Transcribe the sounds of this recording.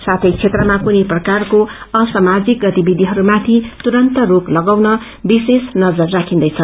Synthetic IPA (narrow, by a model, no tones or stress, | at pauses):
sat̪ʰʌjt͡sʰet̪rʌmakuniprʌkarkoʌsamad͡zik̚ɡʌt̪ibid̪ʱiɦʌɾumat̪ʰit̪uɾʌnt̪ʌɾoklʌɡawnʌ | bisesnʌd͡zʌrːakʰĩnd̪ʌjt͡sʰʌ